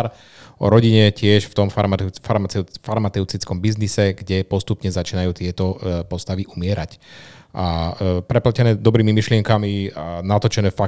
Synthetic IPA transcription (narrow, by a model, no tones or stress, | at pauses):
ɾ | ɔ̰ɾɔɟiɲɛcɪɛʃft̪ɔmfmfaɾmaɛfaɾmat̪ɛʊt͡sit͡skɔmbiznisɛɡɟɛpɔst̪upɲɛzat͡ʃiːnajuːt̪ɪɛt̪ɔpɔst̪aʋiʔumɪɛɾac | ʔapɾɛplacɛnɛːd̪ɔbɾiːmimiʃlɪɛŋkamianat̪ɔt͡ʃɛnɛːfa